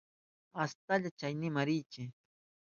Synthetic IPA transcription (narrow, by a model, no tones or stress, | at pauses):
ast̪aʎat͡ʃajnɪmaɾɪjt͡ʃɪ